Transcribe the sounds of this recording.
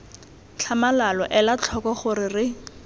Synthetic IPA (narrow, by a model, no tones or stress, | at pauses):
t͡ɬʰamalalɔʔɛlat͡ɬʰɔkɔχʊrɪrɪ